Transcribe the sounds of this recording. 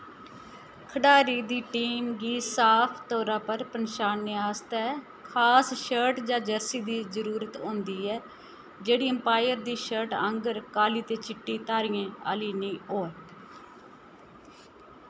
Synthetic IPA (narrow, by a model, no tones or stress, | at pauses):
kʰəɖaːɾiːd̪iːʈiːmɡiːsaːpʰt̪ɔːɾãːpəɾpənʃaːnːeaːst̪ɛː | kʰaːsʃəɾʈd͡ʒãːd͡ʒəɾsiːd̪iːzəɾuːɾət̪õːnd̪iːɛː | d͡ʒeːɽiːəmpaːɪəɾd̪iːʃəɾʈəŋɡəɾkaːliːt̪eːt͡ʃɪʈːiːt̪aːɾijãːa̰ːliːnĩːoːɛː